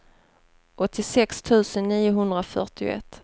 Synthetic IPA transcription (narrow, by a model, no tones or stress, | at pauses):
ʔɔt̪ʰːɪsɛkst̪ʰʉ̟ːsənːiːʊɦɵnd̪ɾafœ̰ʈɪʊ̰ɛ̰t̪ː